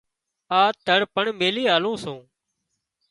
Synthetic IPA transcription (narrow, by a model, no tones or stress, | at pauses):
aːt̪əɽpəɳmeːliːaːlũːsõː